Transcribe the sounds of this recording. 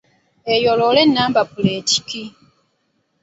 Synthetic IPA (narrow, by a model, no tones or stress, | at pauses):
ejololenːaːmbapuleːci̥ki